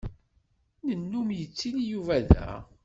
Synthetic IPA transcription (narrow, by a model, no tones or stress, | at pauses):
nənːumjət͡sːilijuvæðæ̰